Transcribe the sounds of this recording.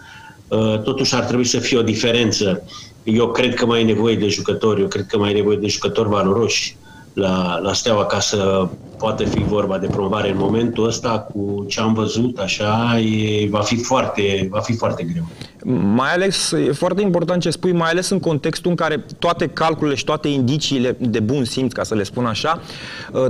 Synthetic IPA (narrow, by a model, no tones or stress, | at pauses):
ət̪o̞t̪uʃart̪ɾebuisəfijeo̞d̪ife̞ɾe̞nt̪sə | je̞wkɾe̞d̪̚kəmajne̞vo̞je̞d̪e̞ʒukət̪o̞rʲjewkɾe̞d̪̚kəmajne̞vo̞je̞d̪e̞ʒukət̪o̞rʲvalo̞ɾo̞ʃʲ | lalast̪eawakasə | poat̪əfivo̞rbad̪e̞pɾomovaɾe̞ɨnmo̞me̞nt̪uəst̪ak̚ʰut͡ʃe̞amvəzut̪aʃajevafifoart̪e̞vafifoart̪e̞ɡɾe̞w | majale̞sje̞foart̪e̞impo̞rt̪ant̪̚t͡ʃe̞spujmajale̞sɨŋko̞nt̪e̞kst̪uɨŋkaɾe̞t̪oat̪e̞kalkulile̞ʃit̪oat̪e̞ind̪it͡ʃiːle̞d̪e̞bunsimt̪skasəle̞spunaʃaə